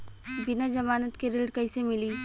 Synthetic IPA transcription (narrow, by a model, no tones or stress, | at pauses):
bɪnad͡ʒɐmaːnət̪keɾɪlɖkɐɪsemɪliː